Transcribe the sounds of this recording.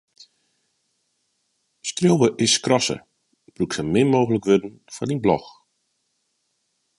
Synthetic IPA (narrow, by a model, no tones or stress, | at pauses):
skrjowʋəʔɪskrɔsə̰ | b̥ruksəmɪmoːɣələkʋødn̩ | fɔdinblɔx